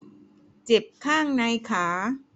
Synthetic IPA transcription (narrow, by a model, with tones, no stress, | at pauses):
t͡ɕe˨˩p̚kʰaː˥˩ŋna˧jkʰaː˩˦